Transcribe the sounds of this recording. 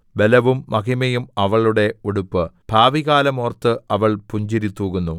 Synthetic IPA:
be̞lɐʋumːɐɣimejumɐʋɐɭuɽe̞oɽupːɨb̥ʱaːʋiɣaːlɐmoːrt̪ːɨɐʋɐɭpuɲd͡ʑiɾit̪ːuːɣunːu

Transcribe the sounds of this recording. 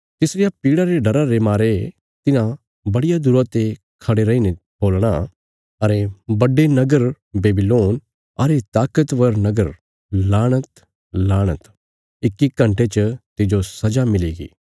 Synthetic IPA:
t̪ɪsɾɪjapiːɽaɾeɖɐɾaɾemaːɾe | t̪ɪnã | bɐɽɪjad̪ʊɾot̪e | kʰɐɽeɾɐine | boːlɽ̃a | ɐɾebɐɖenɐɡəɾ | beːbɪloːn | ɐɾet̪aːkət̪ʋɐɾnɐɡəɾ | laːɽ̃ət̪ | laːɽ̃ət̪ | ɪkːikɐ̃ɳʈet͡ʃət̪ɪd͡ʒosɐd͡ʒamɪliːɡḭː

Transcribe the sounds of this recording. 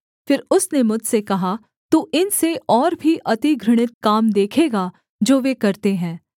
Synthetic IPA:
fɪɾʊsnemʊd͡ʒʱsekɐɦa | t̪uːʔɪnseɔːɾbʱiʔɐt̪iɡɾɪɽ̃ɪt̪̚kaːmd̪eːkʰeːɡa | d͡ʒoːʋekɐɾt̪eɦɛ̃ː

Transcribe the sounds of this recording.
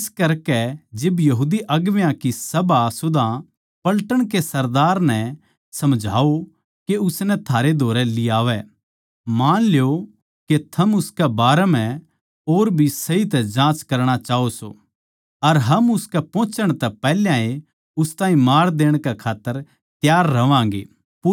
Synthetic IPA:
ɪskɐɾkɛd͡ʒɪbjɐɦuːd̪iʔɐɡʋjãkisɐbasʊd̪ʱã | pɐlʈəɽ̃kesɐɾd̪aːɾnɛ | sɐmd͡ʒʱa̰ːo | keʊsnɛt̪ʰaːɾed̪ʱoːɾɛlɪaːʋɛ | maːnljo | ket̪ʰɐmʊskɛbaːɾɛmɛ̃ | oːɾbʱisɐit̪ɛd͡ʒãːt͡ʃkɐɾɽ̃at͡ʃaːoso̰ | ɐɾɦɐmʊskɛpɔ̃ːt͡ʃəɽ̃t̪ɛpɛːljãːẽ | ʊst̪ãːĩmaːɾd̪eːɽ̃kɛkʰaːt̪ːəɾ | t̪jaːɾːɐʋãːŋɡḛː

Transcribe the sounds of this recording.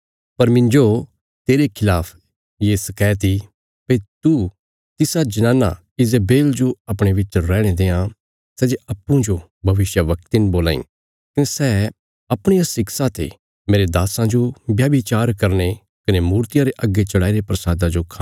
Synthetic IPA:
pɐɾmɪ̃ɲd͡ʒo | t̪eːɾekʰɪlaːpʰ | jeːsɐkɛːt̪ʰi | peit̪u | t̪ɪsad͡ʒɐnãːnːa̰ | ɪzabeːld͡ʒoɐpɽ̃eʋɪt͡ʃɾɛːɽ̃ed̪eːã | sɛːd͡ʒeɐpːũd͡ʒo | bʱɐʋɪʃjəʋɐk̚t̪ɪnboːlã̰ːḭ̃ː | kɐnesɛ | ɐpɽ̃ijasɪksat̪ḛ | meːɾed̪aːsãd͡ʒobjaːbɪt͡ʃaːɾkɐɾne | kɐnemuːɾt̪ɪjãɾeʔɐɡet͡ʃɐɽaːiɾepɾɐsaːd̪ãd͡ʒokʰa

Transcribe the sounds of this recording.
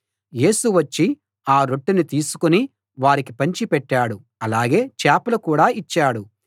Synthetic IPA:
je̞ːsuʋɐt͡ʃːi | aːɾo̞ʈːinit̪iːsu̥kuni | ʋaːɾikipɐɲt͡ʃipɛʈːaːɽu | ɐlaːɡe̞ːt͡ʃaːpɐlɐkuːɽaːit͡ʃːaːɽu

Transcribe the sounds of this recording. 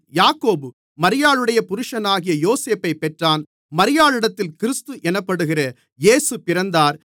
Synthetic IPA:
jaːkːoːbɯ | mɐɾɪjaːɭɯɽɐjɐpʊɾɯʂɐnaːɣɪjɐjoːseːpːɐɪpːɛʈraːn | mɐɾɪjaːɭɪɽɐt̪ːɪlkɪɾɯst̪ɯʔɛnɐpːɐɽɯɣɪrɐ | jeːsɯpɪɾɐnd̪aːɾ

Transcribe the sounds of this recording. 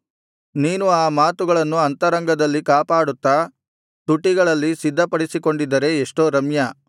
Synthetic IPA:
niːnuaːmaːt̪uɡɐɭɐnːuɐnt̪ɐɾɐŋɡɐd̪ɐlːikaːpaːɽut̪ːa | t̪uʈːiɡɐɭɐlːisid̪ʱːɐpɐɽisiko̞ɳɖid̪ːɐɾe̞ːʂʈoːɾɐmjɐ

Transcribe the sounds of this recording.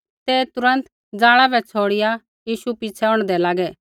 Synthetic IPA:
t̪ɛːt̪ʊɾə̃nt̪ | d͡zaːɭabɛt͡sʰoːɽɪja | jiːʃupit͡sʰɛɔ̃ːɽ̃d̪ɛlaːɡɛ

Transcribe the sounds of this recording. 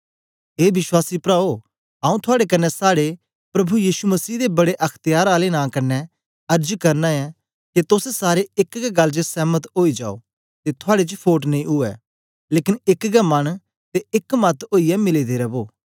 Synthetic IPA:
ɦeːbɪswaːsipɾaːo | ãːũt̪ʰʊaːɽek̬ɐnːɛsaːɽe | pɾɐbujiːsumɐsiːd̪ebɐɽeʔɐkʰt̪ɪjaːɾaːlenãːkɐnːɛ | ɐɾd͡ʒkɐɾnãɛ | ket̪ʊsɛsaːɾeɪkɡɛɡɐlːd͡ʒəsɛːmət̪oːid͡ʒa̰ːo̰ | t̪et̪ʰʊaːɽet͡ʃpʰoːʈ̬nɐĩʊɛ̰ | leːkɪnɪkɡɛmɐɽ̃ | t̪eɪkmɐt̪oːijɛmɪlid̪eɾɛboː

